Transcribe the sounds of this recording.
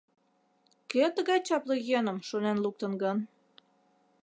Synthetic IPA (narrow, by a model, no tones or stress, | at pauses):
køt̪əɣɑjt͡ɕɑpləjønə̆mʃonenluk̚t̪ənɡən